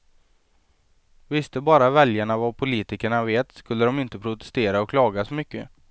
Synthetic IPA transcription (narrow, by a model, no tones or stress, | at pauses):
vɪst̪əbɑːɾavɛljaɳavapʰʊliːt̪ɪkəɳaveːt̪skɵlːəd̪ɔmɪnt̪əpʰɾʊt̪ɛ̥st̪eːɾaɔkʰlɑːɡasɔmʏkːə̰